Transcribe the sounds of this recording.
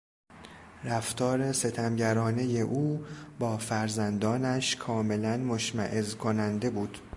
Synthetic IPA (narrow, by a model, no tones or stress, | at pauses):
ræft̪ʰɒːɾe̞se̞t̪ʰæmɟæɾɒːne̞je̞ʔuːbɒːfæɾzænd̪ɒːnæʃkʰɒːme̞lænmoʃmæ̰ʔezkʰo̞nænd̪e̞buːd̪̥